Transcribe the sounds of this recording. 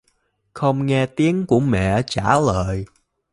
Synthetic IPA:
xə˧wŋ͡mŋɛ˧t̪i˨˦əŋku˧˩əmɛ̰˧˨t͡ɕaː˧˩ləː˧˨j

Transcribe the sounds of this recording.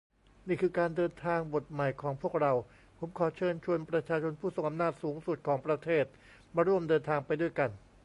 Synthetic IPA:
niː˥˩kʰɯː˧kaː˧ndɤː˧nt̪ʰaː˧ŋbo˨˩t̪̚ma˨˩jkʰɔː˩˦ŋpʰu˥˩ək̚ɾa˧w | pʰo˩˦mkʰɔː˩˦t͡ɕʰɤː˧nt͡ɕʰu˧ənpɾa˧t͡ɕʰaː˧t͡ɕʰo˧npʰuː˥˩so˨˩ŋʔa˧mnaː˥˩t̪̚suː˩˦ŋsu˨˩t̪̚kʰɔː˩˦ŋpɾa˧t̪ʰeː˥˩t̪̚ | maː˧ɾu˥˩əmdɤː˧nt̪ʰaː˧ŋpa˧jdu˥˩əjka˧n

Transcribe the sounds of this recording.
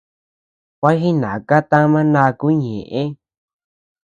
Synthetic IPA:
kʷa˦xi˦nã˨ka˦t̪ã˦mã˦nã˧ku˦ɲḛ̃˨ʔẽ˦

